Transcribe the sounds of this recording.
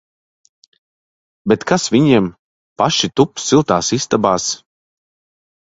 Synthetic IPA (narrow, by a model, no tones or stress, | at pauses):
bɛt̪kasvʲiɲiɛm | paʃit̪upssilˠt̪aːsist̪abaːs